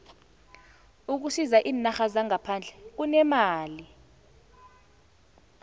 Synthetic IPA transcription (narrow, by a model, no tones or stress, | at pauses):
uk̬usizaʔiːnaxazaŋapʰand͡ɮʱɛk̬unɛmaːli